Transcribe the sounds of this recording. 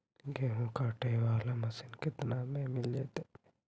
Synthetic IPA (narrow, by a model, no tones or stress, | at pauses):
ɡeɦũkaːʈeːʋaːlamɐsinkit̪naːmemilet̪e